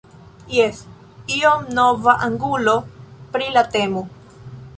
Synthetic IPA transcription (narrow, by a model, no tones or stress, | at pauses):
jes | iomnovaʔaŋɡulopɾilat̪emu